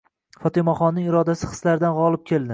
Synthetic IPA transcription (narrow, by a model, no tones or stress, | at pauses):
fɒt̪ʰɪmɒχɒnːɪŋɪɾɒd̪asɪχɨ̥slaɾɪd̪anʁɒlˠɪp̚kʲʰeld̪ɪ